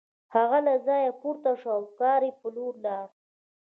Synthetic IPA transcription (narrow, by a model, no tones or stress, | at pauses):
haɣalazɑːjapuɾt̪aʂawkɑːɾipəluɾnɑɾ